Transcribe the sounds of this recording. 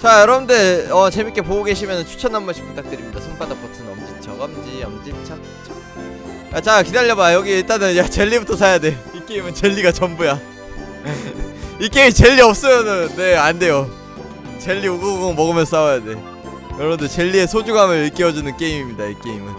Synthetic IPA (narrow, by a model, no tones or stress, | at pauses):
t͡ɕajʌɾʌbɯnde̞ʌt͡ɕe̞mik͈e̞poɡoɡe̞ɕʰimjʌnɯnt͡ɕʰu̥t͡ɕʰʌnːanmaɕʰi̥pʰut͈ak̚t͈ɯɾimɲidasʰoŋp͈adap͈otʰɯnʌmd͡ʑint͡ɕʰaɡʌmd͡ʑiamʌd͡ʑint͡ɕʰat͡ɕit͡ɕʰḁ | jat͡ɕakidaʎːʌbajʌɡiit͈anɯnjat͡ɕe̞ʎːibutʰʌs̬ʰajade̞ik͈eimɯnt͡ɕe̞ʎːiɡat͡ɕʌmbuja | ik͈eimit͡ɕe̞ʎːiʌp̚s͈ʌmjʌnɯnːe̞ande̞jo | t͡ɕe̞ʎːioɡʌɡɡoŋmʌɡɯmjʌns͈aojade̞ | jʌɾʌbɯnde̞t͡ɕe̞ʎːie̞sʰod͡ʑuŋɦamjʌɯɭk͈eʌd͡ʑunɯnk͈e̞imimɲidaik͈e̞imɯn